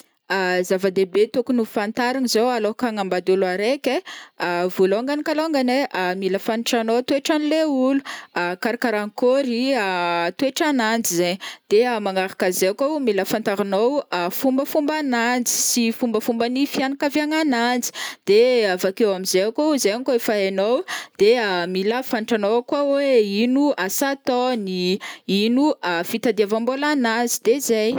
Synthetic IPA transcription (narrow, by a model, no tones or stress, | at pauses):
azavad̪ebet̪okunufant̪aɾanizowalokaŋambad̪ulaɾekʲeavuloŋɡanikaloŋɡaneʔamiləfaniʈ͡ʂanowt̪ueʈ͡ʂanileuluakaɾakaɾaŋkoɾiat̪weʈ͡ʂanand͡zizeɲd̪̥eamaŋaɾḁkazeakowmiləfant̪aɾinowafumbəfumbanand͡zi̥sifumbəfumbanifianakaviaŋanand͡zi̥d̪̥eavakewamizeakʲawzekoefaenowd̪̥eamilafaɳʈ͡ʂanowakwaweinuasat̪ɔniinuafit̪ad̪iavambolanand͡zid̪̥ezaj